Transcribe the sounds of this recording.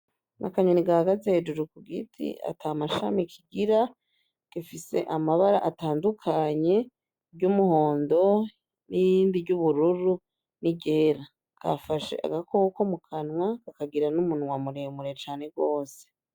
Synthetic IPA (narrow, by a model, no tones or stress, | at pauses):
nʔa̰kaɲoniɡaaɡazeheːd͡ʒuɾukuɡitʰḭa̰tʰamaʃa̰mikʰiɡiɾa | ɡ̥ifise̞ʔamaβaɾaʔataːndukʰaɲe̞ | ɟumuho̞ːndo̞ | niiːnbiɟuβuɾuɾu | niɟeːɾa | kʰa̰faʃḛʔa̰ɡakokomukʰanŋwakakaɡiɾanumunwamuɾemuɾet͡ʃaːne̞ɡo̞ːse̥